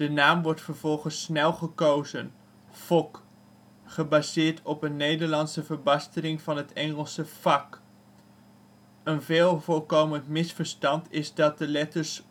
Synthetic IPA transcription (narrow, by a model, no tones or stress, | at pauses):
d̥ənaːmʋɔɹtfəɹv̥ɔlˠχənsnɛlˠχəkowzən | fɔk | χəbaːzɪːɹtɔpənːejdəɹlɑnsəvəɹbɑstəlɪŋvɑnɦətɛŋəlˠsəv̥ɑk | ənvɪːlˠvʊːɹkowməntmɪsfəɹstɑntʰɪzdɑt̚dəlɛtəɹs